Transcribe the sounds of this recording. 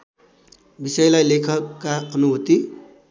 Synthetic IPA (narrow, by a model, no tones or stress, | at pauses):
bisʌjlajlekʰʌkːaknuɦot̪i